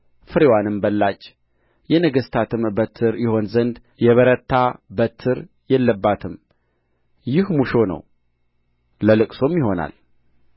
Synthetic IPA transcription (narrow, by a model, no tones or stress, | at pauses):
fɨɾewanɨmbəlːat͡ʃː | jɛnəɡəst̪ʰat̪ʰɨmbət̪ʰːɨɾjɪho̞nzənd̪ | jɛβəɾət̪ʰːabət̪ʰːɨɾ | jɛlːəbːat̪ʰɨm | jɪhmuʃo̞nə̰w | ləlɨkʼso̞mjɪho̞na̰l